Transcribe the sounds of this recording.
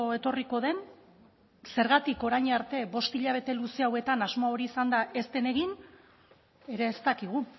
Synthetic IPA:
oe̞t̪o̞riko̞ð̞e̞n | se̞ɾɣat̪iko̞ɾajɲaɾt̪e̞bo̞st̪iʎaβ̞e̞t̪e̞luseawe̞t̪anazmoao̞ɾiːsand̪aʔe̞st̪e̞ne̞ɣin | e̞ɾe̞ːst̪akiɣu

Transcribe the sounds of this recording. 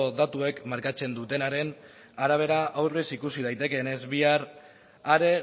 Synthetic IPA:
oðat̪ue̞kmaɾkat͡se̞nd̪ut̪e̞naɾe̞n | aɾaβ̞e̞ɾaʔawɾβisikusið̞ajt̪e̞ke̞ne̞zβiaɾ | aɾe̞

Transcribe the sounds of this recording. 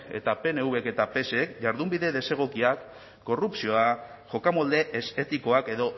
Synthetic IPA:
e̞̰t̪ape̞neuβe̞ke̞t̪ape̞seekʝaɾðumbiðe̞ðe̞se̞ɣ̞okiakː | o̞rupsio̞a | ʝo̞kamo̞ld̪e̞ʔeset̪iko̞ake̞ðo̞

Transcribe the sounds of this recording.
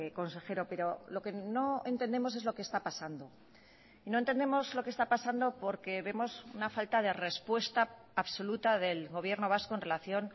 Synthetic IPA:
ko̞nse̞xe̞ɾo̞pe̞ɾo̞lo̞ke̞no̞e̞nt̪e̞nd̪e̞mo̞se̞zlo̞keːst̪apasand̪o̞ | ino̞ent̪e̞nd̪emo̞zlo̞kest̪apasand̪o̞po̞ɾke̞βe̞mo̞sunafalt̪aðe̞re̞spwe̞st̪aː | βso̞lut̪aðe̞lɣo̞β̞je̞ɾno̞β̞asko̞enre̞laθjo̞n

